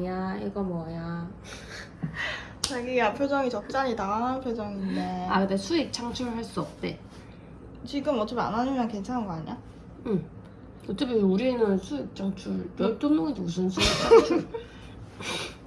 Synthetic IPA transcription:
aeɡamoaja | t͡ɕaɡiapʰjod͡ʑʌŋit͡ɕʌp̚t͡ɕ͈aɲitaanɦanpʰjod͡ʑʌŋindeakɯdesʰuik̚t͡ɕʰaŋt͡ɕʰuɾɯɭhaɭs͈uʌp̚t͈e̞ | t͡ɕiɡɯmʌt͡ɕ͈ʌma̰nɦanɯmjʌnkwe̞nt͡ɕʰanɦanɡʌaɲa | ɯm | ʌt͡ɕ͈ʌmʌuɾinɯnsʰuik̚t͡ɕʰaŋt͡ɕʰuɭɾʌɭt͈onːoŋidus̬ʰɯnsʰu

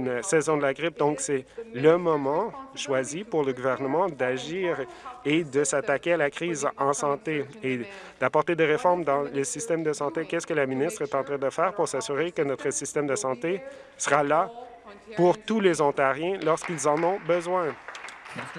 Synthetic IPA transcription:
nsɛzɔ̃d̪əlaɡʁɪp̚d̪ɔ̃ksɛləmɔmɑ̃ʃwazipuʁləɡuvɛʁnəmɑ̃d̪aʒiːʁed̪əsat̪akʲealakχiːzɑ̃sɑ̃t̪ee | d̪̥apɔʁt̪ed̪eʁefɔʁmd̪ɑ̃ləsist̪ɛmd̪əsɑ̃t̪ekʲɛskəlaminist̪χɛt̪ɑ̃t̪χɛ̃d̪əfɛːʁpuʁsasyʁekənɔt̪χəsist̪ɛmd̪əsɑ̃t̪e | səʁala | puʁt̪ulezɔ̃t̪aʁjɛ̃lɔʁskilzɑ̃nɔ̃bəzwɛ̃

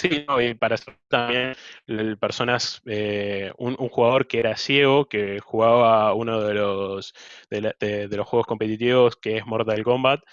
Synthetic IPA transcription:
sinoipaɾaseɾt̪ambje̞npeɾso̞naseunuŋxuɣaðo̞ɾkeeɾasje̞ɣo̞ke̞xuɣaβauno̞ðelo̞sðelaðeðe̞lo̞sxwe̞ɣo̞sko̞mpe̞t̪it̪iβo̞skeesmoɾt̪aðelko̞mbat̪̚

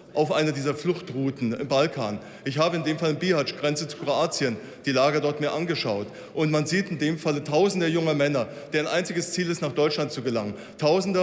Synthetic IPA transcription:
ʔaʊfʔaɪnɐdiːzɐflʊxtʁuːtn̩ɪ̰mbalkʰa̰ːn | ʔɪçhaːbəɪndeːmfalɪmbiːhat͡ʃɡ̥ʁɛnt͡sət͡su̥kʁoaːt͡siən | d̥iːlaːɡɐdɔɐtmiːɐʔanɡəʃaʊt | ʔʊntmanziːtɪndeːmfalətʰaʊzn̩dəɐjʊŋɐmɛnɐ | d̥eːɐaɪnʔaɪnt͡sɪɡəst͡siːlɪstnaːχd̥ɔʏt͡ʃlant̚t͡suɡəlaŋən | tʰaʊzn̩də

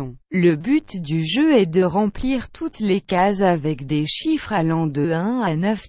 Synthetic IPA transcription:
ləbyt̪d̪yʒøɛd̪əʁɑ̃pliʁt̪ʰut̪lekazavɛkd̪eʃifχalɑ̃d̪əɛ̃anœf

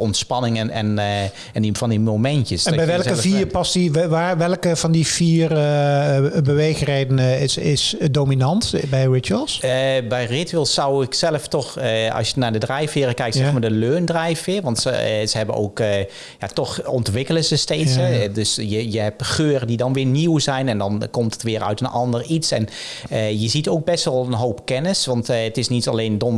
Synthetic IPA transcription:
ɔntspɑnɪŋənɛ̰n | ɛnivɑndimomɛntjəsɛnbɛjʋɛlˠkəviːrpɑsiʋaːʋɛlˠkəvɑndifiːrə | bəʋejxrejdənəɪsɪsdoːminɑntbɛjɹɪtəlˠsbɛjrɪtyɪlˠsɑwɪksɛləftɔxɑ̰sjənaːɹdədrɛjfɪːrəkɛjktsɛfmaːdəløːndrɛjfɪːɹʋɑntsəz̥əɦɛbəno̰wk | ja̰tɔxɔntʋɪkələzəstejtɦɛdɵsjəjəɦɛpχøːrədidɑnʋɪːɹniwzɛjnɛndɑnkɔmtətʋɪːɹœ̰ɥtənɑndəritsɛ̰n | əjəzitowk̚bɛstʋɛlˠənɦowpkɛnəsʋɑntətɪsnitɑ̰lejndɔn

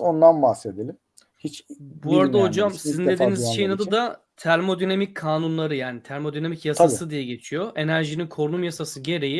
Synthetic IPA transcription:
o̞nd̪anbahsed̪elʲim | hit͡ʃbuaɾad̪aɦo̞d͡ʒamsizind̪d̪ed̪iːnizʃe̞jinad̪ɯd̪a | t̪ʰæɾʲmo̞d̪ynamickʰaːnunlˠaɾɯjaːnit̪ʰæɾʲmo̞d̪ynamicjasasɯd̪ijɛɟe̞t͡ʃʰijoʔe̞næɾʒininkʰo̞ɾnumjasasɯɟe̞ɾe̞ji

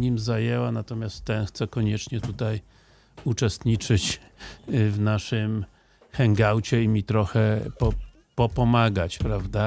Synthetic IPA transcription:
ɲimzajɛwanat̪ɔmʲjast̪tːɛnxt̪sɛkɔɲɛt͡ʂɲɛt̪ut̪aj | ut͡ʂɛst̪ɲit͡ʂɘt͡ɕ | vnaʂɘm | xɛŋɡawt͡ɕɛimʲit̪ɾɔxɛpɔ | pɔpɔmaɡat͡ɕpɾavd̪a

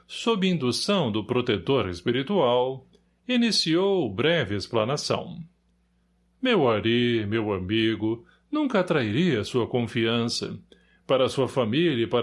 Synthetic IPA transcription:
sobɪĩnd̪usɐ̃w̃d̪ʊpɾot̪et̪oɾespiɾit̪uaw | inisiowbɾɛvɪesplanasɐ̰̃w̃ | mewaɾimewamiɡʊ | nũŋkɐat̪ɾaiɾiɐːsuɐkõfiɐ̃sɐ̰ | paɾɐsuɐfamilɐipaɾ

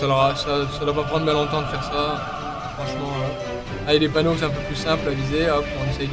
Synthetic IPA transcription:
saləʁasasad̪wapapχɑ̃d̪ʁbjɛ̃lɔ̃t̪ɑ̃d̪əfɛʁsa | fχɑ̃ʃmɑ̃ø | ajd̪epanoks̬ɛ̃ɛ̃p̬øplysɛ̃plavizeɔpɔ̃nɛsɛj

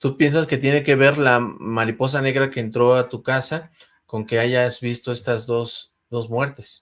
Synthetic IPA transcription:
t̪upje̞ns̬aske̞t̪jene̞ke̞βe̞ɾlamaɾipo̞s̬ane̞ɣɾake̞ːnt̪ɾo̞at̪ukasa | ko̞ŋke̞aʝazβist̪oe̞st̪azðo̞s | ðo̞zmwe̞ɾt̪e̞s

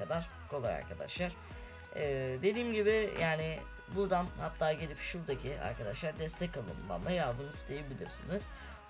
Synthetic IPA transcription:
ad̪aɾ̥ | kʰo̞lˠaja̰ɾkʰad̪a̰ʃlˠaɾ̥ | ɛːd̪e̞d̪iːmɟibɪjʔaːnɪ | buɾd̪anhat̪ʰːaːɟelʲipʃuɾd̪acʰia̰ɾkʰad̪aʃlˠaɾd̪ɛst̪ʰɛcʰalˠɯ̰mɯ̰nd̪a̰nlˠajaɾd̪ɯmsist̪ʰejebilʲḭɾsiniz̥

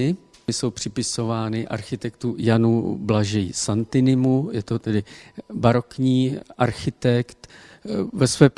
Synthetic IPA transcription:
ɪ | ɪso̞wpr̝̥ɪpɪso̞vaːnɪʔa̰ɾxɪt̪ɛkt̪ujanublaʒɛjsant̪ɪnɪmujɛt̪o̞t̪ɛdɪbaɾo̞kɲiːʔaɾxɪt̪ɛkt̪ | vɛsvɛːp

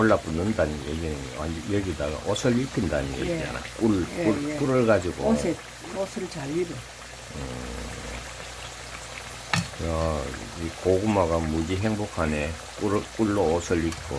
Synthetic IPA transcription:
ʌɭːap͈unːɯndanjeɡinɯajeɡidaɡa̰ʔʌsʰɯɭipʰɯndanḛia̰na̰k͈uɭukuɾɯɭɡad͡ʑiɡose | osʰɯɭt͡ɕaʎːiɾo | ɯ | aikoɡumaɡamud͡ʑiɦeŋbokʰane | kuɾk͈uɭːoːsʰɯɭːik͈ʰo

